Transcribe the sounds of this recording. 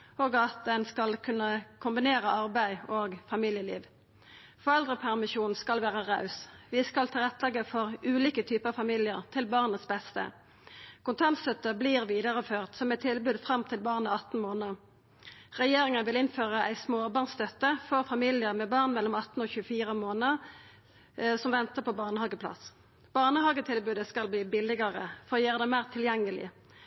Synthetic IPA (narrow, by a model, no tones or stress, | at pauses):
oːɡɑt̪̚ənskɑlkʰʉnːəkʰʊmbɪneːʁəʔɑʁbæɪoːɡfɑmiːljəlḭːʋ | fɔʁɛld̪ʁəpʰæʁmɪʃuːn̩skɑlʋæːʁəʁɑʉsʋɪskɑlt̪ʰɪlʁɛt̪ːlɛɡːəfɔʁʉːliːkət̪ʰyːpəʁɑʋfɑmiːlɪəʁt̪ʰɪlbɑʁnəsbɛst̪ə̰ | kʰʊnt̪ʰɑnt̪st̪œt̪əbliːʁʋiːd̪əʁəføːʁt̪sɔmɛt̪ʰːɪlbʉːd̪fʁɑmt̪ʰɪlbɑʁnəɑt̪n̩moːnə | ʁɛjeːʁɪŋənʋɪlɪnføːʁəʔæɪsmoːbɑːʁnst̪œt̪əfɔʁfɑmiːlɪəʁmɛːbɑːʁnmɛlːɔmɑt̪n̩oːçʉəfiːʁəmoːnəʁ | sɔmʋɛnt̪əpʰɔbɑːʁnəhɑːɡəpʰlɑ̰s | b̥ɑːʁnəhɑːɡət̪ʰɪlbʉːd̪əskɑlbliːbɪlɪɡəʁəfɔʁoːjøːʁəd̪ɛmæɪːʁt̪ʰɪljɛŋːəlɪ̰